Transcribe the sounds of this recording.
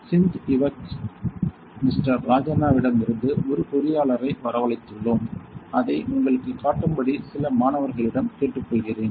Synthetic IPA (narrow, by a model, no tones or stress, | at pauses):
sɪnt̪ɪʋɐt͡ʃ | mɪsʈɐɾːaːd͡ʒɐnaːʋɪɽɐmɪɾɯnd̪ɯʔɔɾɯkʊɾɪjaːɭɐɾɐɪʋɐɾɐʋɐɭɐɪt̪ːɯɭːomʔɐðɐɪʊŋɡɐɭɯkːɯkːaːʈːɯmbɐɽisɪlɐmaːnɐʋɐɾɣɐɭɪɽɐmkeːʈːɯkːɔɭɣɪreːn